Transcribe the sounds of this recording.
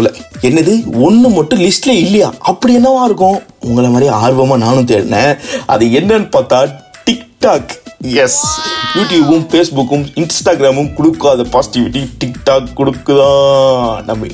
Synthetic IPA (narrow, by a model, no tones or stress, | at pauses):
lɐɛnːɐðɯɔnːɯmɐʈːʊ̃lɪsʈɪlɐɪlːɐjaːʔɐpːɐɽɪjɛnːɐʋãːɪɾɯkːʊ̃ʊŋɡɐɭɐmaːd̪ɾiaːɾʋɐmaːnaːnɯ̃t̪eːɾɯnɛ̃ʔɐ̰ðɯɛnːɐnɯpaːɾt̪ãːʈɪkʈaːkjɛsjuːʈjuːbɯmfeːsbʊkːɯmɪnsʈaːɡɪɾaːmɯmkʊɽɯkːʊɐðɐpaːsɪ̥ʈɪʋɪʈːiʈɪkʈaːkːʊɽɯkːɯt̪ãːnɐmːɐ